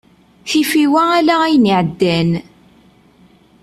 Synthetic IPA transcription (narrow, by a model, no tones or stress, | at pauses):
θifiwæælææjniʕəd̪ːæn